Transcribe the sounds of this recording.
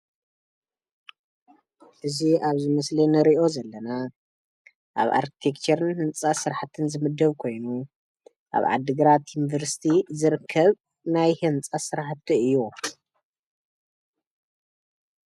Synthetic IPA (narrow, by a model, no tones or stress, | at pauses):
ʔɨziaβzɨmɐslinɨɾiʔo̞zɐlːɐna | ʔa̰βa̰ɾki̥t̪ʰekt͡ʃʰɐɾɨnhɨnt͡sʼasɨɾħat̪ʰɨnzɨmɨd̪ːɐβkʰo̞jnu | ʔa̰βʕa̰d̪ːɨɡɨɾat̪junivɐɾsi̥t̪ʰizɨɾɨkʰːɐβ | najhɨnt͡sʼasɨɾħat̪ʰːɨɨjːu